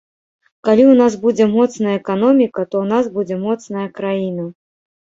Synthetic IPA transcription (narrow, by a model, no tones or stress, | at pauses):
kalʲiwnas̬bud͡zʲɛmɔt̪snɐjɐɛkanɔmʲikɐt̪ɔwnazbud͡zʲɛmɔt̪snɐjɐkɾajinɐ